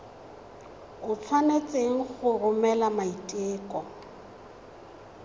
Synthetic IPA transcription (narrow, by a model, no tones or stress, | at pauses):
ʊt͡sʰwanet͡sʼeŋ̩χʊrʊmɛlamaitʼeːkʼɔ